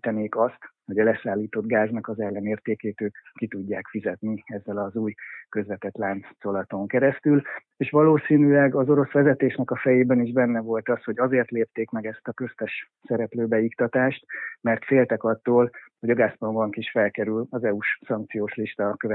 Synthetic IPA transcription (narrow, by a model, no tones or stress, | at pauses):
t̪ɛneːkɒst̪ho̞ɟɒlɛsaːlːiːt̪o̞d̪ɡaːznɒkɒzɛlːɛneːrt̪eːkeːt̪øːkːit̪uɟːaːkfizɛt̪niɛzːɛlɒzuːjkø̞zvɛt̪ɛt̪laːnt̪so̞lɒt̪o̞ŋkɛɾɛst̪yl | eːʃʋɒloːsiːnylɛɡɒzo̞ɾo̞sʋɛzɛt̪eːʃnɛkɒfɛjeːbɛniʒbɛnːɛvo̞lt̪ɒsho̞ɟɒzeːrt̪leːp̚t̪eːkmɛɡɛst̪ɒkøst̪ɛʃ | sɛɾɛpløːbɛikt̪ɒt̪aːʃt̪mɛrt̪feːlt̪ɛkɒt̪ːoːlho̞ɟɒɡaːspɒmbɒŋkiʃfɛlkɛɾylɒzɛuʃsɒŋk̚t̪sijoːʃliʃt̪ɒkøvɛ